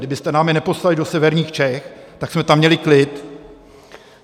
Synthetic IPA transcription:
dɪbɪst̪ɛnaːmɪnɛpostalɪdosɛvɛɾɲiːxt͡ʃɛxt̪aksmɛt̪amːɲɛlɪklɪt̪

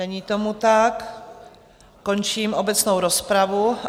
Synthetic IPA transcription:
ɛɲiːt̪omut̪ak | ko̞nt͡ʃiːmʔobɛt͡snowɾospɾavu

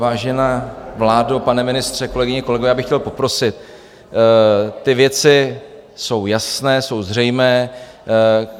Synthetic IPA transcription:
vaːʒɛnavlaːdopanɛmɪnɪst̪r̥ɛko̞lɛɡɪɲɛko̞lɛɡoɛjaːbɪxcɛlpo̞pɾo̞sɪt̪̚ | ɪvjɛt͡sɪ | so̞wjasnɛːso̞wzr̝ɛjmɛː

